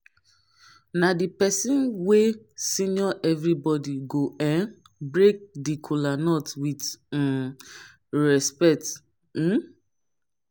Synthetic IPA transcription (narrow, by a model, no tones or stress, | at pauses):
nadipɛsĩnwe | sĩnɔʔɛvɾibɔdiɡoʔɛ̃n | bɾek̚dikʰolanɔtwid̩ | ɾɛspɛt̩